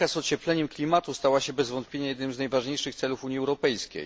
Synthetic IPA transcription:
asɔt͡ɕɛplɛɲɛmklʲimat̪ust̪awaɕɛbɛzvɔnt̪̚pʲjeɲajɛd̪nɘmznajvaʐɲejʂɘxt̪sɛlufuɲiɛwɾɔpɛjsʲḛj

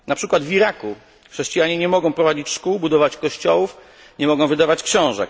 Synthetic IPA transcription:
napʂɘkwad̪vʲiɾaku | xʂɛɕt͡ɕijaɲɛɲɛmɔɡɔ̃w̃pɾɔvad͡ʑit͡ɕʂkubud̪ɔvat͡ɕkɔɕt͡ɕɔwuf | ɲɛmɔɡɔ̃w̃vɘd̪avat͡ɕkɕɔ̃w̃ʐɛk

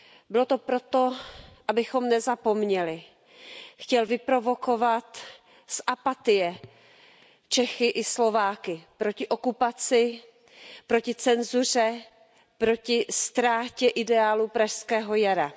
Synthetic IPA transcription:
bɪlot̪o̞pɾo̞t̪o̞ʔabɪxo̞mnɛzapo̞mɲɛlɪ | xcɛlvɪpɾo̞vo̞ko̞vat̪ | sʔapat̪ɪjɛ | t͡ʃɛxɪʔɪslo̞vaːkɪpɾo̞cɪʔo̞kupat͡sɪ | pɾo̞cɪt͡sɛnzur̝ɛ | pɾo̞cɪst̪ɾaːcɛʔɪdɛaːlupɾaʃskɛːɦo̞jaɾa

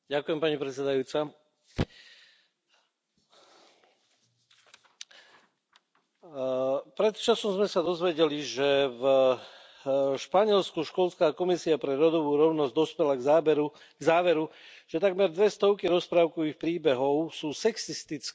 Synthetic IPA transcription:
ɟakujɛmpaɲipɾɛt͡sɛd̪ajuːt͡sa | pɾɛt̪t͡ʃasɔmzmɛsad̪ɔzʋɛɟɛliʒɛv | ʃpaɲɪɛlskuʃkɔlskaːkɔmisiapɾɛɾɔd̪ɔʋuːɾɔʊnɔzɟd̪ɔspɛlaɛɾu | ɡzaːʋɛɾuʒ̥ɛt̪aɡmɛɾd̪ʋɛst̪ɔʊkiɾɔspɾaːʊkɔʋixpɾiːbɛɦɔʊsuːsɛksist̪it͡sk

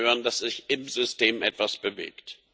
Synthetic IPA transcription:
øːʁəndasz̥ɪçɪmzʏstʰeːmʔɛtv̥asb̥əvḛːkt

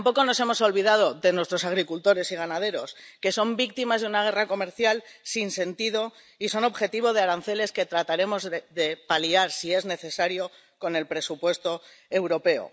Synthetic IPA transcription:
mpo̞ko̞no̞se̞mo̞so̞lβiðað̞o̞ðe̞nwe̞st̪ɾo̞saɣ̞ɾikult̪o̞ɾe̞siɣ̞anað̞e̞ɾo̞ske̞so̞mbik̚t̪imazðeunaɣ̞e̞rako̞me̞ɾθjalsinse̞nt̪iðo̞ | iso̞no̞βxe̞t̪iβ̞o̞ð̞eaɾan̟θe̞le̞ske̞t̪ɾat̪aɾe̞mo̞zðe̞paliaɾsie̞zne̞θe̞saɾjo̞ | ko̞ne̞lpɾe̞supwe̞st̪o̞ | e̞wɾo̞pe̞o̰

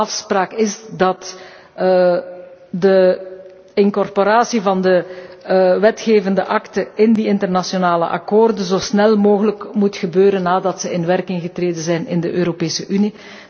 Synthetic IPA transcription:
ɑfspraːkɪzdɑt | də | ɪŋkɔrpoɾaːsivɑndə | ʋɛtxeːvəndəʔɑktəɪndiɪntərnɑsjonaːlə̰ʔɑ̰koːrdəzoːsnɛlˠmoːɣələkmutxəbøːɾənːaːdɑtsəɪnʋɛrkɪŋɣətreːdənzɛjnɪndəʔøːɾopeːsəʔyni

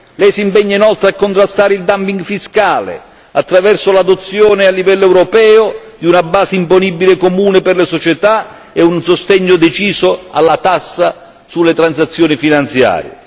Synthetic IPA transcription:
lɛjsimpɛɲːainɔlt̪ɾeakːont̪ɾast̪aːɾɪild̪ampiŋɡfiskaːlɪ̰ | at̪ːɾavɛrsʊlad̪ot̪sːjɔːnɪalːivɛlːoɛwɾɔpɛːʊd̪iunabːaːsɪimponibːilɪkomuːnɪpɪrlɪsɔt͡ʃɛt̪a | ɛunsost̪ɛɲːʊd̪et͡ʃiːzʊa̰lːat̪asːa | sulːɪt̪ɾans̬at̪sːjoːnifinant̪sja̰ːɾjɪ̰

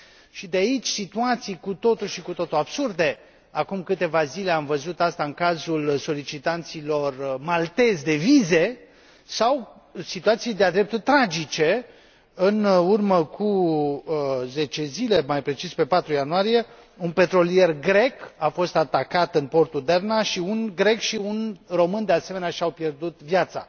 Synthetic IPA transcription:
ʃid̪eait͡ʃʲsit̪uat̪sijkut̪o̞t̪uʃikut̪o̞t̪uabsurd̪e̞ | akumkɨt̪e̞vazile̞amvəzut̪ast̪aɨŋkazulso̞lit͡ʃit̪ant̪silo̞rmalt̪e̞zd̪e̞vize̞ | saw | sit̪uat̪sijd̪ead̪ɾe̞p̚t̪ult̪ɾad͡ʒit͡ʃe̞ | ɨnurməkʰu | ze̞t͡ʃe̞zile̞majpɾe̞t͡ʃispe̞pat̪ɾujanuaɾije̞ | unpe̞t̪ɾo̞lije̞rɡɾe̞kafo̞st̪at̪akat̪ɨnpo̞rt̪ud̪ernaʃiunɡɾe̞kʃiunro̞mɨnd̪e̞ase̞meneaʃiawpje̞rd̪ut̪vjat̪sa̰

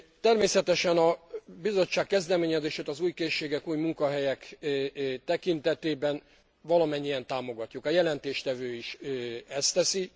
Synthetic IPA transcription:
t̪ɛrmeːsɛt̪ɛʃɛnɒbizo̞t͡ʃːaːkːɛzd̪ɛmeːɲɛzeːʃeːt̪ɒzuːjkeːʃːeːɡɛkuːjmuŋkɒɦɛjɛk | t̪ɛkint̪ɛt̪eːbɛn | vɒlɒmɛɲːijɛnt̪aːmo̞ɡɒcːukɒjɛlɛnt̪eːʃt̪ɛvøːiʃɛst̪ɛsi

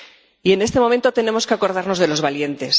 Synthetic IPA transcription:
ie̞ne̞st̪e̞mo̞mẽ̞nt̪o̞t̪e̞ne̞mo̞skeako̞ɾð̞aɾno̞zðe̞lo̞zβalje̞nt̪e̞s

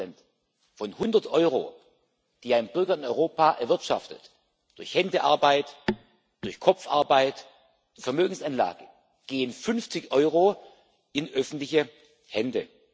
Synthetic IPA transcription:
ɛnt | fɔnhʊndɐtʔɔʏʁo̰ː | d̥iːaɪnənb̥ʏɐɡɐɪnɔʏʁoːpaːʔɛɐvɪɐtʃa̰ftət | d̥ʊɐçhɛndəʔa̰ɐbaɪt | d̥ʊɐçkʰɔp͡fa̰ɐbaɪt | fɛɐmøːɡŋ̩sanla̰ːɡ̥ə | ɡ̥eːənfʏnft͡sɪçʔɔʏʁo | ɪnʔœfn̩tlɪçə | hɛndə

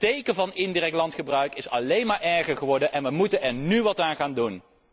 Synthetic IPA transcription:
tejkəvɑnɪndirɛk̚lɑntχəbrœɥkɪsɑ̰lejnmaːɹʔɛɹχəɹχəʋɔɹdənʔɛnʋəmutənɛɹnyʋɑtaːnχaːndun

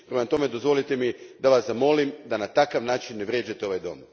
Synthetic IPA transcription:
pɾe̞mat̪o̞me̞d̪o̞zʋo̞lit̪e̞mid̪aʋaszamo̞limd̪anat̪akaʋnaːt͡ʃinːeʋɾje̞ːd͡ʒat̪eo̞ʋajd̪o̞̰m

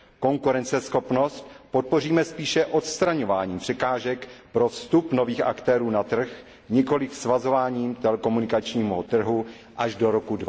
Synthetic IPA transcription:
ko̞ŋkuɾɛnt͡sɛsxo̞pno̞st̪pot̪̚po̞riːmɛspiːʃɛʔo̞t̪st̪ɾaɲo̞vaːɲiːmpr̥ɛkaːʒɛkpɾost̪upno̞viːxakt̪ɛːɾuːnat̪r̩x | ɲɪko̞lɪfsvazo̞vaːɲiːmt̪ɛlɛko̞munɪkat͡ʃɲiːɦot̪r̩ɦu | ʔaʒdoɾokudva

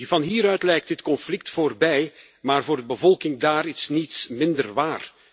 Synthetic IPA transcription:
vɑnɦiːɾœɥtlɛjk̚tdɪtkɔnflɪk̚tfoːrbɛj | maːrvoːrdəbəvɔlˠkɪŋdaːɾisnitsmɪndərʋaːr

